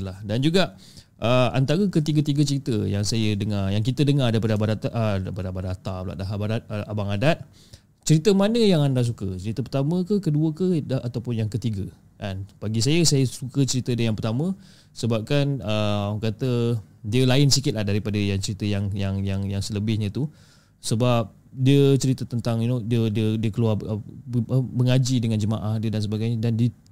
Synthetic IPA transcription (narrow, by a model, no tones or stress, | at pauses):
lahdand͡ʒuɡaʔ | ʔəa̰nt̪aɾəkət̪iɡət̪iɡət͡ʃəɾit̪əjaŋsajədəŋajaŋkit̪ədəŋaɾdaɾipadəabadat̪aʔəpadəabadat̪abla̰ʔ̪̚laɦabadat̪̚əabaŋadat̪̚ | t͡ʃəɾit̪əmanə̃jaŋandas̬ukət͡ʃəɾit̪əpərt̪amə̃kəkəduəkəaat̪awpʊnjaŋkət̪iɡə | ʔanb̥aɡisajəsajəsukət͡ʃəɾit̪ədajaŋpərt̪amə̃ | səbap̚kanəmkat̪ədiəlaɪnsikɪt̪̚lahdaɾipadəjaŋt͡ʃəɾit̪əjaŋjaŋjaŋjaŋsələbɪhɲə̃t̪u | səbap̚ | diət͡ʃəɾit̪ət̪ənt̪aŋinodiədiədiəkəlua | əbəŋad͡ʒidəŋand͡ʒəmaʔahdiədansəbaɡajɲədandi